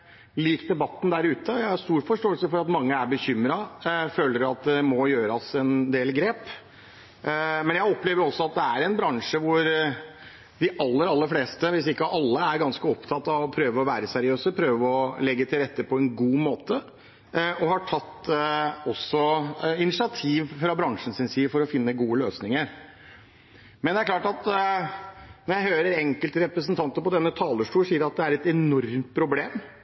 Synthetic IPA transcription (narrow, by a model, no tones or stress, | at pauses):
liːkd̪ɛbɑt̪ːn̩d̪æɾʉːt̪əjæɪhɑɾst̪uːɾfɔʂʈoːəlsəfɔɾɑt̪mɑŋːəæɾbəçʏmɾɑføːləɾɑt̪̚d̪ɛmɔjøːɾɑsɛnd̪eːlɡɾeːp | mɛnjæɪɔpleːʋəɾɔsːɔɑt̪̚d̪ɛæɾɛnbɾɑŋʂəʋʊɾ | d̪ɪʔɑlːəɾɑlːəɾfleːst̪əʋɪsɪkːəʔɑlːəæɾɡɑnskəɔpt̪ʰɑt̪ːɑʋɔpʰɾøːʋəɔʋæːɾəsæɾɪøːsəpʰɾøːʋəɔlɛɡːət̪ʰɪlɾɛt̪ːəpʰɔɛnɡuːmoːt̪ə | ɔhɑʈʰɑt̪ː | ɔsɔɪnɪsɪɑt̪ʰiːʋfɾɑbɾɑŋʂn̩sɪnsiːfɔɾɔfɪnːəɡuːəløːsnɪŋəɾ | mɛnd̪ɛæɾkʰlɑːʈɑt̪ | nɔɾjæɪhøːɾəɾɛŋkəlt̪ɾɛpɾəsənt̪ʰɑnt̪əpɔd̪ɛnːət̪ʰɑːləʂʈuːʂsiːəɾɑt̪̚d̪ɛæɾɛt̪ɛnɔɾmt̪̚pʰɾʊbleːm